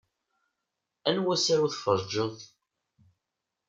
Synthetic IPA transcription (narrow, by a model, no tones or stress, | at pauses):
ænwæsæɾuθfəɾˤd͡ʒəðˤ